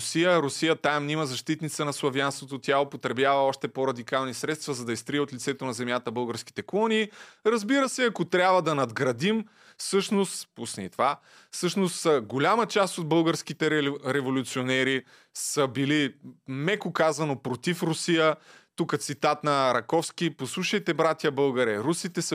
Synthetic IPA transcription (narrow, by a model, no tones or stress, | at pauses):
sijəɾʊsijət̪amnimɐzɐʃt̪it̪nit̪sənɐslˠɐvjanst̪vot̪ot̪ʲaopot̪ɾɛbjavəɔʃt̪ɛpoɾɐd̪ikalˠnisɾɛt̪st̪vɐzɐd̪ɐist̪ɾiɛot̪lʲit̪sɛt̪onɐzɛmjat̪əbɤlˠɡəɾsk̟i̥t̪ɛklˠɔniːɾɐzbiɾəsɛɐkot̪ɾʲabvəd̪ɐnɐd̪ɡɾɐd̪im | fsɤʃnost̪pusniit̪va | fsɤʃnost̪ɡolʲamət͡ʃast̪od̪̚bɤlˠɡəɾsk̟it̪ɛɾɛvolʲut̪sionɛɾi | səbilimɛkokazɐnopɾot̪ifɾusijət̪ukət̪sit̪at̪nɐɾɐkɔfskʲiposlˠuʃəjt̪ɛbɾat̪ʲjəbɤlˠɡɐɾɛɾusit̪ɛs